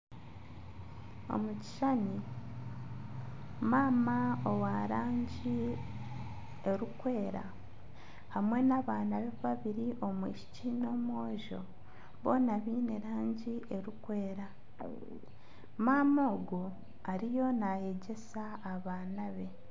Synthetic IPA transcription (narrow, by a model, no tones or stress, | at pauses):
o̞̰muci̥ʃani | maːmaowaɾaːɲɟi | e̞ɾukwe̞ːɾa̰ | hamwe̞naβaːnaβeβaβiɾiʔo̞mwḭːʃi̥cino̞ːmwo̞ːʒo̞̰ | βo̞ːnaβiːne̞ɾaːɲɟiʔe̞ɾukwe̞ːɾa | maːmo̞ːɡo | aɾijo̞naje̞ɟe̞saːβaːnaβe̞